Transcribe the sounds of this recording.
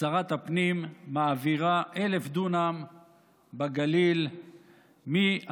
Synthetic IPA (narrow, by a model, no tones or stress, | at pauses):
aʁat̪apnimːaːviʁaʔelefd̪unam | baɡalil | mi